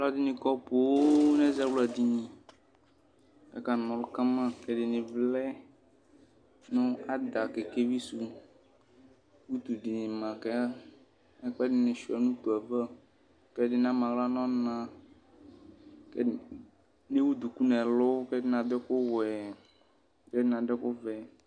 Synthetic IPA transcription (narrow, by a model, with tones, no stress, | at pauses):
lɔ˦d̪ɪ˦nɪ̃˨kɔ˦po˨wo˦nɛ̃˦zɛ˦wla˨d̪i˦ɲĩ˨ | ɛ̰˦ka˨n˨mɔ̃˨lʊ˦ka˦mã˦kɛ˦dɪ˨nɪ̃˨vlɛ˦ | nʊ̃˦a˨d̪a˨kɛ˨ke˦vi˦su˨ | wu˦t̪u˨ɖɪ˨nɪ̃˨mã˨kɛ˦a˦ | ɛ˦k͡pɛ˦dɪ˦nɪ̃˨ʃu˨a˨nũ˦t̪u˨a˨va˦ | kɛ˦dɪ˦nã˦mã˨wla˦nɔ̃˦nã˨ | kɛ˦ | nẽ˦wu˦d̪u˨ku˦nɛ̃˨lʊ˦kɛ˦dɪ˦nã˨d̪ɛ˦kʊ˦wɛ˨ | kɛ˦dɪ˦nã˨dɛ˦kʊ˦vɛ˨